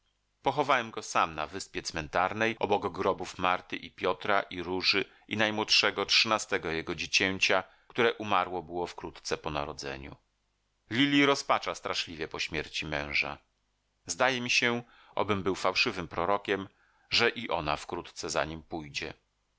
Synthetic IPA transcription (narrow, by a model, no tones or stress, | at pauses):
pɔxɔvawɛmɡɔsamna̰vɘspʲjɛt̪smɛnt̪aɾnɛjʔɔ̰bɔɡɔɡɾɔbufmaɾt̪ɘʔipʲjɔt̪ɾaʔiɾuʐɘ | ʔinajmwɔtʂɛɡɔtʂɘnast̪ɛɡɔjɛɡɔd͡ʑet͡ɕɛɲt͡ɕa | kt̪uɾɛʔumaɾwɔbɘwɔfkɾut̪t̪sɛpɔna̰ɾɔd̪zɛ̰ɲṵ | lʲilʲiɾɔspat͡ʂast̪ɾaʂlʲivʲjɛpɔɕmʲjɛɾt͡ɕimɛ̃w̃ʐa̰ | zd̪ajɛmʲiɕɛ | ʔɔ̰bɘmbɘwfawʂɘvɘmpɾɔɾɔkʲɛm | ʐɛʔiʔɔnafkɾut̪t̪sɛza̰ɲimpujd͡ʑɛ